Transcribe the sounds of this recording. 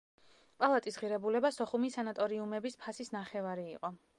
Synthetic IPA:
pʼalˠat̪ʼisʁiɾɛbulɛbasɔχumisanat̪ʼɔɾiumɛbispʰasisnaχɛvaɾiːqʼɔ

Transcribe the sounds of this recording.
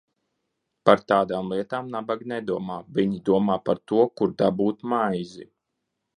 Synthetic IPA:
paɾt̪aːd̪aːmlˠiɛt̪aːmnabaɡnɛd̪uɔmaːviɲid̪uɔmaːpaɾt̪uɔkuɾd̪abuːt̪majzi

